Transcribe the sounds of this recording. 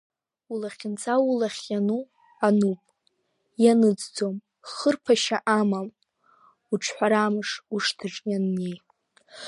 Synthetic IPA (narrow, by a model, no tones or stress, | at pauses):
ulaχʲɪnt͡sʰʼawulaχʲjanu | anupʼ | janɨd͡zd͡zo̞m | χərpʰaʃaʔamam | uʈ͡ʂʰħʷaɾamɨʂuʂtʰaʈ͡ʂʼjanːej